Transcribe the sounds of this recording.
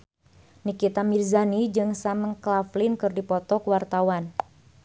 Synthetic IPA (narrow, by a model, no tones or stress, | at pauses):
nikit̪amirzanid͡ʒɨŋsaməŋklaflɪnkɨrdipɔt̪ɔkwart̪awan